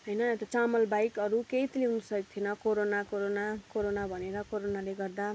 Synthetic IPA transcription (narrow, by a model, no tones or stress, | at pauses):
ɦʌjnʌet̪at͡samʌlbajkʌɾukejt̪leɦunusʌit̪ʰinʌkoɾonakoɾonakoɾonabʱʌneɾʌkoɾonaleɡʌrd̪a